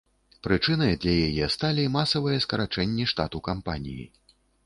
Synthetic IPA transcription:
pɾɨt͡ʂɨnɐjd̪lʲajajɛst̪alʲimasɐvɨjɛskɐɾat͡ʂɛnʲːiʂt̪at̪ukampanʲḭjḭ

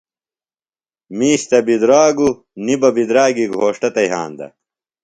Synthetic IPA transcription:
miːɕt̪ɐbid̪ɾaːɡu | nibɐbid̪ɾaːɡiɡʱoːʂʈɐt̪ɐjɦa̰ːnd̪ɐ̰

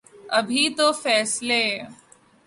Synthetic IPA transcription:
ɐbʱit̪ofɛːsle

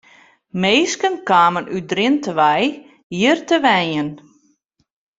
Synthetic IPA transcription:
meːskənkaːmənʔydrɪntəʋɛj | jiərtəʋɛnən

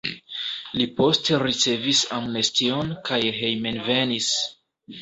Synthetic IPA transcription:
lipo̞ste̞ɾit͡se̞visamnestio̞nkajɦe̞jmenve̞nis

